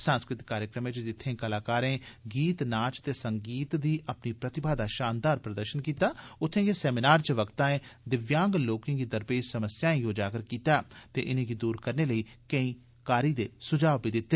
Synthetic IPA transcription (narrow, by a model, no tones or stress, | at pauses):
sə̃nskɾɪt̪kːaːɾjəkɾəmẽt͡ʃd̪ɪt̪ʰːẽːkəlaːkaːɾẽːɡiːt̪naːt͡ʃt̪eːsəŋɡiːt̪d̪iːʔəpniːpɾət̪ɪbaːd̪aːʃaːnd̪aːɾpɾəd̪əɾʃənkiːt̪aːʊt̪ʰːẽːɡeːsɛːminaːɾt͡ʃəʋəkt̪ãːẽːd̪ɪʋjãːŋɡloːkẽːɡiːd̪əɾpeːd͡ʒsəməsjaːẽːjoːd͡ʒaːkəɾkiːt̪aːt̪ḛːʔɪnẽːɡiːd̪uːɾkəɾneːləiːkəĩː | kaːɾiːd̪eːsʊd͡ʒaːʋpid̪ɪt̪ːeː